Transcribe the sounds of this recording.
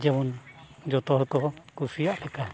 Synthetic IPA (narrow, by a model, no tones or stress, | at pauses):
d͡ʒɛwɔnd͡ʒɔt̪ɔɦɔkɔkusijaʔpɛka